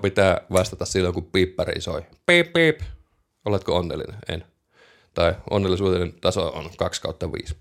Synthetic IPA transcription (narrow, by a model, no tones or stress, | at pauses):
pit̪æːʋɑst̪ɑt̪ɑssilːoŋkuppiːpːɑr̰ḭso̰ipipːiːp | olet̪koonːḛlːḭnenʔḛn | t̪ɑiʔo̰nːelːˑisuːt̪enent̪ɑsoo̰nkɑkskɑˑut̪ːɑʋḭːs